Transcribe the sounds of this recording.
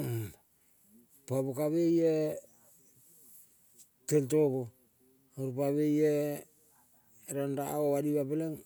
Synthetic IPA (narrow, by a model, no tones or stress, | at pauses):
pabokaβeje | teltoko | oɾupaβeje | ɾandaʔoadiβapeleŋ